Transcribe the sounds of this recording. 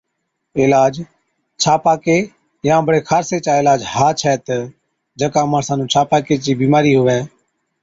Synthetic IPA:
ɪːlaːd͡ʒ | t͡ʃʰaːpaːkeː | jãːbəɽeːkʰaːɾseːt͡ʃaːɪːlaːd͡ʒhaːt͡ʃʰɛːt̪ː | d͡ʒəkãːmaːɳsãːnũːt͡ʃʰaːpaːkeːt͡ʃiːbiːmaːɾiːɦʊʋɛ̃ː

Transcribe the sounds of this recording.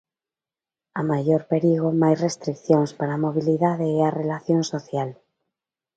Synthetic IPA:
amaʝoɾpeɾiɣ̞omajsrest̪ɾikθjonspaɾamo̞β̞iliðaðeearelaθjonsoθjal

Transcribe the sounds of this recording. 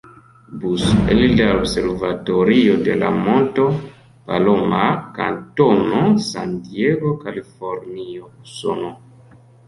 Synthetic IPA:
busḛlidaobse̞ɾvatoɾiode̞la̰mo̞nto̞ | palo̞maka̰nto̞no̞santieɡo̞kalifo̞ɾniouso̰no

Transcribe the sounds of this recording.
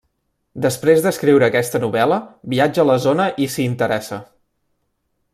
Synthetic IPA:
d̪əspɾezd̪əskɾiwɾəːkɛst̪ənuβɛləβiad͡ʒəːləzonəʔisiːnt̪əɾɛsə

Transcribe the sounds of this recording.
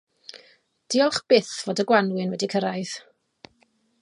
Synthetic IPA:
d̥iɔlˠχb̥ɪθv̥oːdəɡwanwɨnwɛdikʰəɾajð̥

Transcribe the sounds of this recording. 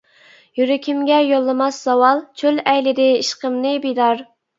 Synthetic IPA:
jyɾykʲʰimɡʲɛjolˠːɨmɑsːɑwɑlˠt͡ʃʰølɛjlɪd̪ɪiʃqəmnɨbijd̪ɑɾ

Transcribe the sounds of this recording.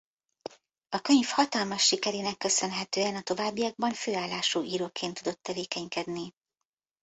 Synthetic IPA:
ɒkø̞ɲfhɒt̪ɒlmɒʃːikɛɾeːnɛkːø̞sø̞nɦɛt̪øːɛnɒt̪o̞vaːbːijɒɡ̚bɒɱføːaːlːaːʃuːʔiːɾoːkeːnt̪ːud̪o̞t̪ːɛveːkɛɲkɛd̪ni

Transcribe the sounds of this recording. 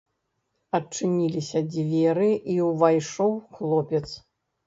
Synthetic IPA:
ɐt͡ʂɨnʲilʲisʲɐd͡zʲvʲɛɾɨiwvajʂɔwxlˠɔpʲɛt̪s

